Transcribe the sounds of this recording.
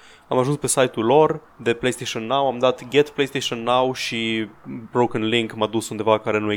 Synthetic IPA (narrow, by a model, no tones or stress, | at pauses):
ãjmaʒũnt̪pɛsajt̪ːulɔɾ | ðəplejst̪eʃɔ̃nːawãɪ̃md̪at̪ɡɛt̪plejst̪eʃɔ̃nːawʃibɾoʊkə̃nlɪ̃ŋkmad̪usũnd̪evakaɾɛnuɛ